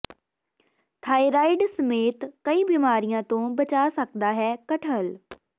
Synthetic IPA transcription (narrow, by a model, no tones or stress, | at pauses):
t̪ʰaːiːɾaːiɖsəmeːt̪kəiːbiːmaːɾijãːt̪õːbət͡ʃaːsəkd̪aːɦɛːkəʈʰəl